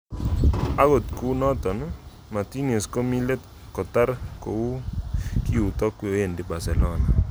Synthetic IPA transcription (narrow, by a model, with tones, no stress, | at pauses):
a˦ɣo˨tku˦nɔ˦tɔ˨n˦ | ma˨ti˦ne˨sko˦mi˦le˦t | kɔ˨ta˦ɾko˨wu˦ki˦u˨tɔ˦kwo˨je˦˨ndi˦ba˨sɛ˨lɔ˦na˨